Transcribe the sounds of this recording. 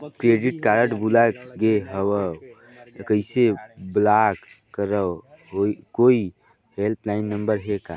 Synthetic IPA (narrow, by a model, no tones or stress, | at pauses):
kɾeːɖɪʈkaːɾəʈbulaɡeɦəwə | kəɪseblak | kəɾə | okoːi | ɦelplaːɪnːə̃mbəɾɦekaː